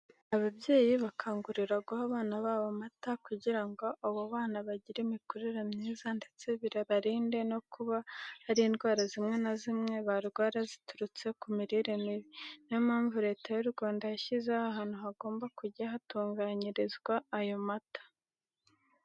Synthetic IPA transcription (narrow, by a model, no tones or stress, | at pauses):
aβabje̞ːjiβakʰaːŋɡuɾiɾaɡahaβaːnaβaβo̞matakuɟiɾaŋɡo̞ʔaβoβaːnaβaɟiɾemikuɾiɾamɲiːzandet͡se̞βiɾaβaɾiːnde̞no̞kuβahaɾiindɡwaːɾazimŋe̞nazimŋŋe̞βaɾɡwaːɾazituɾut͡se̞kumiɾiɾemiβinimaːɱvuɾe̞ːtʰajuɾuɡaːndajaçizehaɦaːn̥uɦaɡo̞ːmbakuɟaɦatuːŋɡaɲiɾizɡwaːjo̞matḁ